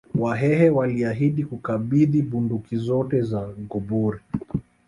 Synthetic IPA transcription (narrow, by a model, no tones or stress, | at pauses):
waɦɛhɛwaliaɦiɗikukaɓiðiɓundukizɔtɛzaɡuɓuɾi